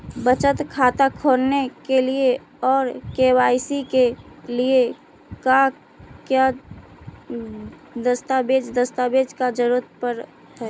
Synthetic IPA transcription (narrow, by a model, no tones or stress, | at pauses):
bət͡ʃət̪kʰaːt̪akʰoːɾnekelie | ɔːɾkewaːɪsikelie | ka | kja | d̪əst̪abed͡ʒd̪əst̪abeːd͡ʒkad͡ʒəɾuət̪̚pəɾ | ɦɛː